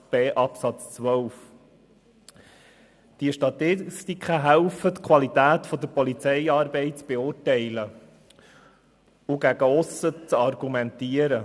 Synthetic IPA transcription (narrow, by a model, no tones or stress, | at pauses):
b̥eːʔɑpsɑt͡st͡sʋœwf | d̪̥iəʃtɑt̪ɪst̪ikχəɦæʊfət̪kʰʋɑlit̪æːt̪fɔd̪əɾpɔlit͡sɛjɑːɾbɛɪt̚t͡sb̥eʊːrtɛɪlə | ʊɡæɡəʊsət͡sɑrɡumɛnt̪iəɾə